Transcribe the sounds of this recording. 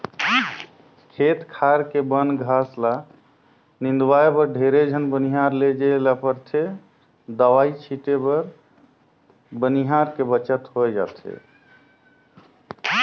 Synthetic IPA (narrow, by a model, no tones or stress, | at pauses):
kʰet̪kʰaɾkebənɡʱasla | nind̪waepəɾɖʱeɾed͡ʒʱənbəniɦaɾled͡ʒelapəɾt̪ʰe | d̪əʋait͡ʃʰiʈebəɾ | bəniɦaɾkebət͡ʃət̪ɦojd͡ʒa̰t̪ʰḛ